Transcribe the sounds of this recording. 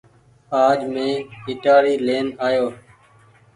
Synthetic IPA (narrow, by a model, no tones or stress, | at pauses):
aːd͡ʒmẽːɪʈaːɽiːleːnaːjoː